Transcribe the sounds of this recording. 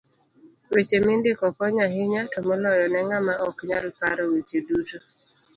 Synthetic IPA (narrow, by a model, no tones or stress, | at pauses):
wet͡ʃemɪndɪkɔkɔɲaɦɪɲatɔmɔlɔjɔnɛŋamaʔɔkɲalpaɾɔwet͡ʃeduto